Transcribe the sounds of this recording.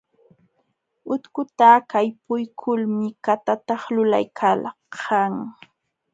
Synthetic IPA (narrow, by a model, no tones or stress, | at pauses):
ʊt̪kʊt̪akajpʊjkʰʊlmɪkat̪at̪ɑχlʊla̰jkʰal | qɑŋ